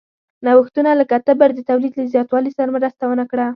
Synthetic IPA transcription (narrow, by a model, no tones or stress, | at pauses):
nawəxt̪unaləkat̪əbəɾd̪ət̪awlid̪ləzjɑt̪wɑlisaɾamɾəst̪awənakɽa